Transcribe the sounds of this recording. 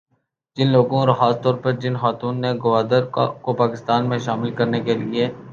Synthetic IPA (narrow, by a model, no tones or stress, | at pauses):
d͡ʒɪnloːɡõɾɐxaːst̪ɔːɾpəɾd͡ʒɪnxaːt̪uːnːeɡʊʋaːd̪əɾkopaːkɪst̪aːnmẽʃaːmɪlkɐɾnekelieː